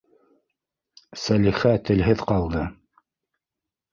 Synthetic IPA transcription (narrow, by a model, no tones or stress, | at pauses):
sæliχæt̪ɘ̆lɦɘðqɑlˠd̪ɤ